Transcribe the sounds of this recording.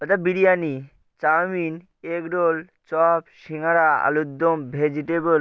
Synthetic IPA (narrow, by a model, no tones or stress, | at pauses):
ɔt̪abiɾijani | t͡ɕamin | ekɖol | t͡ɕɔpʃiŋaɾaa̰lud̪ːombʱed͡ʑiʈebol